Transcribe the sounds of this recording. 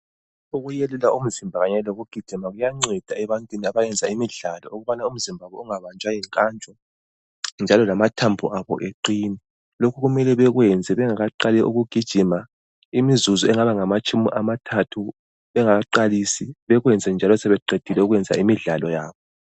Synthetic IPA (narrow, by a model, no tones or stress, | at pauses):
uɣujelulaum̩zimbʱaɣaɲɛloɣuɡ̥ʱid̥ʒ̥ʱimaɣujaŋ͡ǀɛd̥ʱaɛβantʼwiniaβajɛnd͡zʱaimiɮalɔ̰uɣuβanaum̩zimbʱaβɛuŋaβant͡ʃʼwajɛŋkʼaːnt͡ʃʼɔ | nd͡ʒʱalɔlamatʰambʱuʔaβɔ̰ʔeǃiːnɛ | lokʰuɣumɛlɛβɛɣwɛnd͡zʱɛβɛŋaɣaǃalɛʔuɣuɡ̥ʱid̥ʒ̥ʱima | imizuzɔɛŋaβaŋamat͡ʃʼumḭʔamatʰatʰu | βɛŋaɣaǃalisiβɛɣwɛnd͡zʱɛnd͡ʒʱalɔsɛβɛǃed̥ʱilɛuɣwɛnd͡zʱa̰imiɮalɔja̰ːβɔ